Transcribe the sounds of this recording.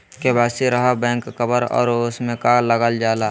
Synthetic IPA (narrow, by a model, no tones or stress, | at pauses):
kebaːsiɾəɦabɛ̃ːŋkːəbəɾɔ̰ːɾʊsmẽkaləɡəld͡ʒaːla